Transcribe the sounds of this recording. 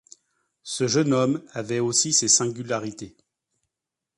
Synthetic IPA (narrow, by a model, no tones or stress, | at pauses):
səʒənɔmavɛosisesɛ̃ɡʲylaʁit̪e